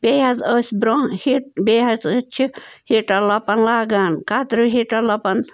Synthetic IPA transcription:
beɦazəsʲbɾohiʈ̚beɦazt͡ʃʰihiʈɐlɐpɐnlaɡankat̪ɾɨɦiʈɐlɐpɐn

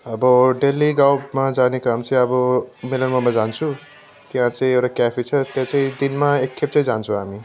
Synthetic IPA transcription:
ʌbʌɖeliɡawmad͡zanekamt͡saĩʌbʌmelʌnmamad͡zant͡sʰu | t̪jɦãt͡saĩewʈakjapʰit͡sʰʌt̪jat͡saĩd̪inmaekʰːep̚t͡sãĩd͡zant͡sʰũɦami

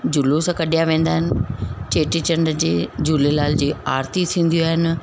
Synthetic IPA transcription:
d͡ʑulusãːkɐɗijaʋẽːn̆d̪aːɦɪnɪ̆t͡ɕeːʈit͡ɕɐɳɖd͡ʑeːd͡ʑulelaːld͡ʑeːaːɾt̪it̪ʰĩːn̆d̪ijoaːɦɪnɪ̆

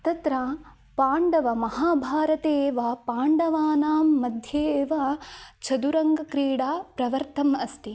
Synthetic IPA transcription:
t̪ɐt̪ɾɐ | paːɳɖɐʋɐmɐhaːbʱaːɾɐt̪eːʋɐpaːɳɖɐʋaːnaːmːɐd̪ʱjeʋɐt͡ʃʰɐd̪uɾɐŋɡɐkɾiːɽaːpɾɐʋɐɾt̪ɐmɐst̪i

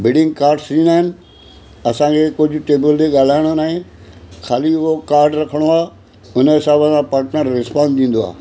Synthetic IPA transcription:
bɪɖɪ̃ŋɡ̚kaːɾɖsĩːnd̪aːɦɪnɪ̆ | ɐsãkʰekʊd͡ʑʱʊ̆ʈeːbəlt̪eɠaːl̤aːɪɽ̃onaːɦẽxʰaːliʊɦokaːɾɖɾɐkʰəɽ̃oaː | ʊnɦɪsaːbəsãpaːɾʈnəɾːɪspãːnd̪ĩːn̆d̪oa̰ː

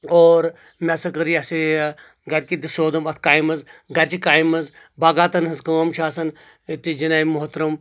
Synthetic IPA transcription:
oːɾ | mʲɐsɐkɐɾijasi | ɡɐɾkid̪isoːd̪ɐmɐt̪̚ʰkaːimɐzɡɐɾʲt͡ʃikaːjmɐz | baːɡaːt̪ɐnɦɐzkɐʋɐmʃʰaːsɐn | t̪id͡ʒinaːimuɦɐt̪ɾɐm

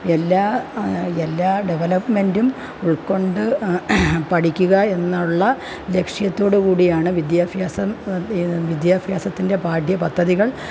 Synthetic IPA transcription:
elːaː | elːaːɖeʋɐlɐpme̞ndum | uɭko̞ɳɖɨ | pɐʈʰikʲːuɣɐe̞nːaɭːɐ | le̞kʂijɐt̪ːo̞ːɽukuːɽijaːɳɨʋid̪jaːfjaːsɐm | ʋid̪jaːbʱjaːsɐt̪ːinde̞paːɖʱjɐpɐd̪ʱːɐðiɣɐɭ

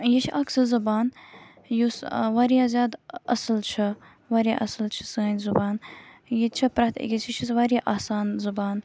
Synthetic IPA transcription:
jit͡ʃʰʔaksɨzɐbaːn | jusʋaɾijaːzʲjaːd̪ɐsɨlt͡ʃʰɐ | ʋaːɾija̰ʔɐsɨlt͡ʃʰi̥sɨənʲzubaːnjit͡ʃʰɐpɾɐt̪ʰḭɡʲisit͡ʃʰis̬ʋaːɾijaʔaːsaːnzubaːn

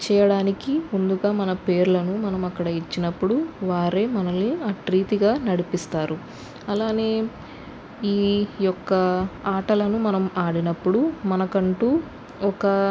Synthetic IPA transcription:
t͡ʃɛːjɐɽaːnikimund̪uɡaːmɐnɐpe̞ːɾulɐnumɐnɐmɐkːɐɽɐit͡ʃːinɐpːuɽuʋaːɾe̞ːmɐnɐlːiaːʈɾiːt̪iɡaːnɐɽipist̪aːɾu | ɐlaːne̞ː | iːjɔkːɐaːʈɐlɐnumɐnɐmaːɽinɐpːuɽumɐnɐkɐɳʈuː | ɔkɐ

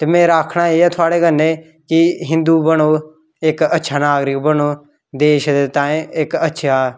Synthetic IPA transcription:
t̪eːmɛ̃ːɾaːkʰɳaːeːaːt̪ʰʊaːɽeːɡənẽː | kɪɦɪ̃nd̪uːbənoː | ɪkətːʃʰaːnaːɡɾɪkbəɳoː | d̪eːʃd̪et̪ãːẽɪkətːʃʰaː

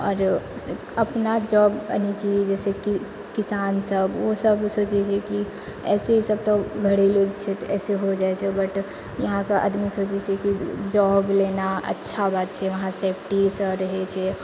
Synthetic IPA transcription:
ɔːɾ | ɐpnad͡ʒɔːbə̰nikid͡ʒɛːseki | kɪsaːnsəbʋosəbsoːt͡ʃet͡ʃʰeki | ɛːseɦisəb̚t̪oɡʱɐɽiloːd͡ʒt͡ʃʰet̪oʔɛːseɦod͡ʒaːet͡ʃʰebɐʈ | jɐɦãkaʔə̰d̪misoːt͡ʃet͡ʃʰekid͡ʒɔːbleːnaɐ̰tːʃʰabaːt̪t͡ʃʰeʋɐɦãseːpʰʈisɾɐɦet͡ʃʰe

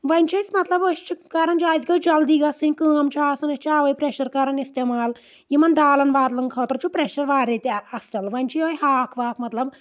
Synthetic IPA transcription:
ʋɐnʲt͡ʃʰɐsmɐt̪lɐboʃt͡ʃʰikaːɾɐnd͡ʒaːzɡɐwd͡ʒɐld̪iːɡɐsɨnʲkəːmt͡ʃʰaːsɐnɐst͡ʃʰaːʋɐjpɾeʃɐɾkaɾɐnist̪eːmaːl | jimɐnd̪aːlɐnʋaːɾlɐŋkʰɐːt̪ɐɾt͡ʃʰupɾeʃɐɾʋaːɾet̪ɐst͡ʃɐlʋɐnʲt͡ʃʰijoːjɦaːkʰʋaːkʰmɐt̪lɐb

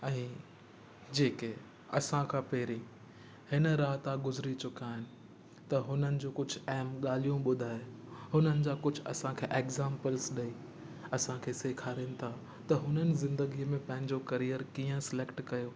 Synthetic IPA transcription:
ɛ̃ː | d͡ʑeːke | ɐsãkʰãːpeːɾĩ | hɪnɾaːɦt̪aɡʊzɾit͡ɕʊkaːɦɪnɪ̆ | t̪ɐɦʊnənɪ̆d͡ʑoːkʊd͡ʑʱʊɛɦmɠaːl̤ijũɓʊd̪ʱaːehʊnənɪ̆d͡ʑaːkʊd͡ʑʱʊɐ̰sãkʰeːʔeːkzãːmpəlsɗɐi | ɐsãkʰeːseːkʰaːɾinɪ̆t̪ʰa | t̪ɐɦʊnənɪ̆zɪ̃nd̪əɡiəmẽpɐ̃ɦɪ̃ɲd͡ʑokɐɾijəɾkiːə̃sɪleːkʈkɐjoː

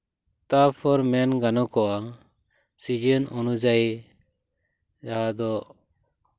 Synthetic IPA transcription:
t̪apʰɔɾmɛnɡanɔkɔwa | sid͡ʒənunud͡ʒaj | d͡ʒaɦad̪ɔ

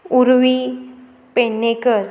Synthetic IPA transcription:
uɾʋi | peɳːekəɾ

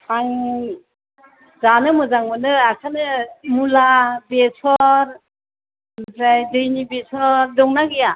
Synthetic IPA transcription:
paŋ | zanɯmɯzaŋmɯnɯakʰanɯmulabesʰɔɾ | mɯtʰɾajdɯjnibesʰɔɾdɔŋnaɡija

